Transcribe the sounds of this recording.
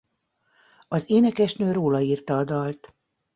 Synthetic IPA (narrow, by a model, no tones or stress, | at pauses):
ɒzeːnɛkɛʃnøːɾoːlɒiːrt̪ɒːd̪ɒlt̪